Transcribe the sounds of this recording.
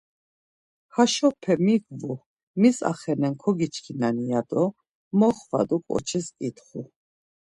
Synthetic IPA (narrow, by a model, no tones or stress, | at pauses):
haʃɔpʰɛmiɡvu | misa̰χɛnɛnkʰɔɡit͡ʃʰkʰinanijad̪ɔ | mɔχva̰d̪ukʼɔ̰t͡ʃʰisit̪χu